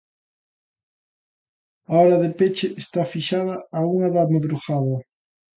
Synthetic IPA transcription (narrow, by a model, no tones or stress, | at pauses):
aɔɾɐðepet͡ʃɪʔːst̪afiʃaðɐːuŋɐðameðɾuɣaðɐ